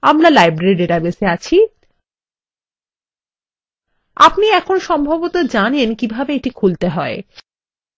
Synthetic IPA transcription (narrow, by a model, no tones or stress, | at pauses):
amɾalajbɾeɖeɾabeseat͡ɕʰi | a̰pniɛkʰonʃɔmbʱabot̪od͡ʑanenkibʱabeeʈikʰult̪eɦɔe